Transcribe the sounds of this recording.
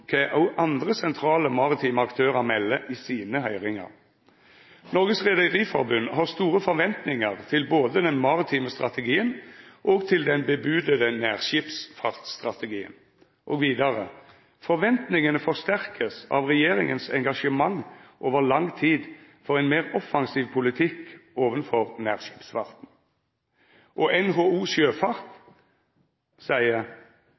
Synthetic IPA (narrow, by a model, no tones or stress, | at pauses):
kʰɛʔuʔɑnd̪ʁəsɛnt̪ʰɾɑːləmɑʁɪt̪ʰiːməɑkt̪ʰøːʁɑmɛlːəʔiːsiːnəɦœʏʁɪŋɑ̰ʁ | nɔʁɡəsʁɛd̪əʁiːfɔʁbʉnːhɑʁst̪uːʁəfɔɾʋɛnt̪nɪŋəʁt̪ʰɪlboːd̪əd̪ɛnmɑʁɪt̪ʰiːməst̪ʁɑ̰t̪əɡiːənʔɔːɡt̪ʰɪld̪ɛnbəbʉːd̪əd̪ənæːʁɕiːpsfɑʁt̪st̪ʁɑt̪əɡiːə̰n | ʔoːɡʋiːd̪ɑʁə | fɔʁʋɛnt̪nɪŋənəfɔʁst̪æʁkʰəsɑ̰ʋʁɛjeːʁɪŋənsɛ̰ŋɡɑʂəmɑŋʔoːʋəʁlɑŋt̪ʰiːd̪fɔʁɛɪnmeːʁɔfɑŋsiːʋpʰʊlɪt̪ʰɪkoːʋənfɔʁnæ̰ːʁʃi̥ːpsfɑʁt̪n̩ | ʔɔʔɛnɦoːuːsjøːfɑʁt̪ | sæɪə